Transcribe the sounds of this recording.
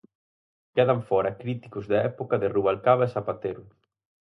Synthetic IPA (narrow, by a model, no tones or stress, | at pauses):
keðaɱfɔɾɐkɾit̪i̥kʊzðaɛpokɐðɪruβalkaβɐesapat̪eɾʊ